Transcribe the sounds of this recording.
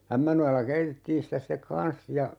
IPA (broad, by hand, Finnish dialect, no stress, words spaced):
æmːænojɑlːɑ keitetːiːn sitæ sĭtek kɑn̞s jɑ